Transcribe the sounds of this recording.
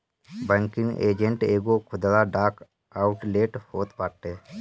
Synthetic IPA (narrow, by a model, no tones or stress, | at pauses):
bɛ̃ŋkɪŋɡḛːd͡ʒə̃ɳʈeːɡokʰʊd̪laɖaːk | aːʊʈleːʈhoːt̪paːʈeː